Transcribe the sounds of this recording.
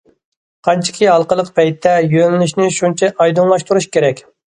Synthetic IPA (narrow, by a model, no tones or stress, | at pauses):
qʰɑnt͡ʃʰɪ̥kʲʰiɦɑlˠqəlˠəqpʰɛjt̪ʰːɛjønɪnyʃnɪʃunt͡ʃʰɛʔɑjd̪unlˠɑʃt̪uɾuʃkʲeɾɛkʲ